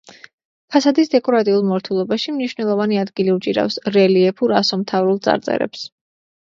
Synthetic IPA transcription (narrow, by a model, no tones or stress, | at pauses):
pʰasad̪isd̪ɛkʼɔɾat̪ʼiulˠmɔɾt̪ʰulˠɔbaʃimniʃvnɛlˠɔvaniad̪ɡiliut͡ʃʼiɾa̰fsɾɛliɛpʰuɾasɔmt̪ʰavɾulˠd̪sʼa̰ɾt̪sʼɛ̰ɾɛ̰ps